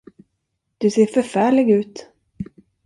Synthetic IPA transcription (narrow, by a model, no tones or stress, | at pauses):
d̪̥ɵseːɾfœɾfæːɭɪɡʉ̟ːt̪